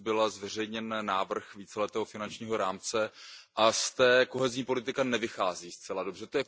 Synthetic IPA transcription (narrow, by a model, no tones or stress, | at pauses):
bɪlazvɛr̝ɛjɲɛnːaːvr̩xviːt͡sɛlɛt̪ɛːɦofɪnant͡ʃɲiːɦo̞ɾaːmt͡sɛʔast̪ɛːko̞ɦɛzɲiːpo̞lɪt̪ɪkanɛvɪxaːziːst͡sɛlado̞br̝ɛt̪ojɛ